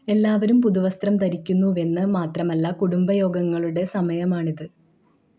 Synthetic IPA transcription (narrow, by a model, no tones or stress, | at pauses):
e̞lːaːʋɐɾumpuðuʋɐst̪rɐmt̪ɐɾikʲːunːue̞nːɨmaːt̪rɐmɐlːɐkuɽumbɐjo̞ːɡɐŋːɐɭuɽe̞sɐmɐjɐmaːɳiðɨ